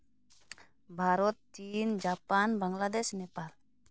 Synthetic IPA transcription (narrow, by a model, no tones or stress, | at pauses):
baɾɔt̪ːind͡ʒapanbaŋladɛsnɛpal